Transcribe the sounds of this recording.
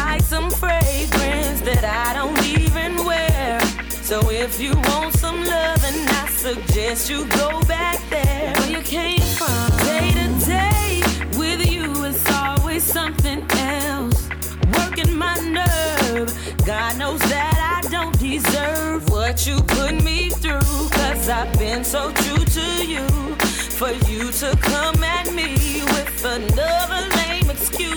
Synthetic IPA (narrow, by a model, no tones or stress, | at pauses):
aɪksʌ̃ɱfɹeɪɡɹɛ̃nzðɨɾaɪdõʊ̃ntivɨ̃nwɛɹ | soʊɪfjɨwõʊ̃ntsʌ̃mlʌvɨ̃naɪsɨɡ̚d͡ʒɛst͡ʃɨɡoʊbæk̚ðə̃˞jɨkʰẽɪ̃ɱfɹʌ̃mseɪɾɨdeɪɪwɪðjɨɪtsɔlˠwiz̥sʌ̃mθɪ̃ŋɛlˠs | wɜ˞kɪ̃nmaɪnɜ˞v̥ | ɡɑdⁿnoʊzðɨɾaɪdõʊ̃nd̥ɪzɜ˞vwʌt͡ʃɨpʰʊmiθɹukʰʌzaɪvbɪ̃nsoʊtʰɹ̥uɾɨju | fə˞jɨɾɨkʰʌ̃mɨ̃nmiwɪðənʌðə˞nẽɪ̃mɨkskjʉ